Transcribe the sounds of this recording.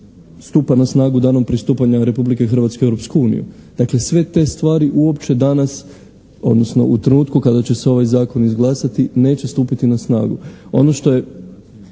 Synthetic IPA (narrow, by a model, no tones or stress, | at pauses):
st̪uːpanasnaːɡud̪aːno̞mpɾist̪uːpaɲaɾe̞publikexr̩ʋat̪skeewɾo̞pskuuːnḭjṵd̪̥akle̞sʋe̞t̪e̞st̪ʋaːɾiʔuo̞pt͡ɕe̞d̪anas | o̞̰d̪no̞sno̞̰ʔut̪ɾenuːt̪kukad̪at͡ɕe̞seo̞ʋajzaːko̞nizɡlˠasat̪ine̞ːt͡ɕest̪uːpit̪inasna̰ːɡuo̞no̞ʃt̪o̞je̞